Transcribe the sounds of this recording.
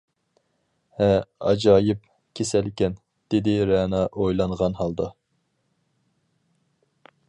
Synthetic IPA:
ɛɑ̰d͡ʒɑːjɨp̚ | kʲʰesælkʲɛn | d̪̥ɪd̪ɪɾɛːnɑʔojlˠɑŋʁɑnɦɑlˠd̪ɑ

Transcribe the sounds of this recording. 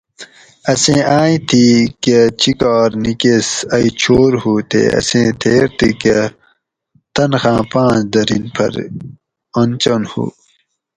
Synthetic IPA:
ɐsẽːʔaːĩt̪ʰiket͡ɕikaːɾnikesɐit͡ɕʰoːɾhuːt̪ʰḛːɐ̰sẽːt̪ʰeːɾt̪ʰike | t̪ɐnxãːpãːt͡ʃd̪ɐɾinpʰɐ̰ɾ | ont͡ɕonhṵː

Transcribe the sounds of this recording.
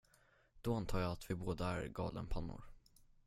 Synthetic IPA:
d̪̥ɔant̪ʰɑːjɑːt̪vɪboːd̪aæɾɡɑ̰ːlənpʰanːʊ̰ɾ

